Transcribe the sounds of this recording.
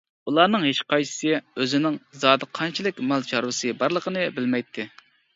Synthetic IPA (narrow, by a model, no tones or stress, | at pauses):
ulˠɑːnɨŋɦeʃqɑjsɨ̥sɨøzɪnɪŋzɑːd̪ɨqʰɑnt͡ʃʰilˠɪkʲmɑlˠt͡ʃɑɾwɨsɨbɑɾlˠəqʰənɨbɪlmɛjt̪ʰːɪ